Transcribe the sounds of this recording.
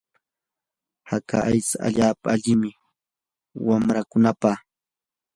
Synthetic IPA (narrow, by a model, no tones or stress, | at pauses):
hakaʔajt͡saa̰ʎaːpaaʎɪmɪ | wamɾakʊnapaχ